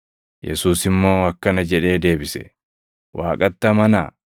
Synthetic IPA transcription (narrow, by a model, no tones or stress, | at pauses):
jɛ̰suːsɪmːo̞ːɐkːɐnɐd͡ʒɛᶑe̞ːd̪e̞ːbɪsɛ̰ | wʔaːkʼɐt̪ːɐmɐnɐ